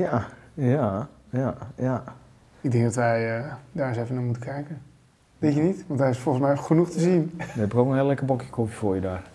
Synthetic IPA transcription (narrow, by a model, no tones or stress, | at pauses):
ja | jajaja | ɪɡ̚dɪ̃ŋɡ̚dɔtʋɛjədaːɹɪsɛfənaːmutəkʰɛjkən | ʋetjənitʋɑntɦɛɪsfɔlˠəsmɛjχənuxtəzinʋəɛpɪkoːkənɦɪːlɛkəbɔkjəkʰofjəfoːjədaːr